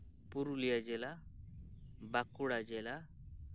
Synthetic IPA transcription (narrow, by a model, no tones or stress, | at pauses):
puɾulijad͡ʒɛla | bakuɽad͡ʒɛla